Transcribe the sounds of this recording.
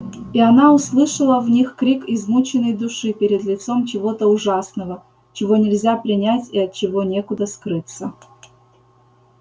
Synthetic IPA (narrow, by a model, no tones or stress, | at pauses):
iɐnaʊslˠɨʂəlˠəvnʲixkɾʲikɪzmut͡ɕɪnːəjd̪ʊʂɨpʲɪɾʲɪd̪lʲɪt̪so̞mt͡ɕɪvo̞t̪əʊʐasnəvə | t͡ɕɪvo̞nʲɪlʲzʲapɾʲɪnʲætʲiɐtt͡ɕɪvo̞nʲe̞kʊd̪əskɾɨt̪sə